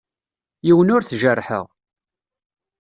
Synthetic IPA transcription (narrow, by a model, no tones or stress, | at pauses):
jiwənʊɾθʒərːħə̰ʁ